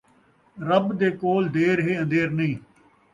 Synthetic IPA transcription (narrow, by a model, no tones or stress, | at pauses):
ɾəbd̪eːkoːld̪eːɾɦeːə̃nd̪eːɾnəĩː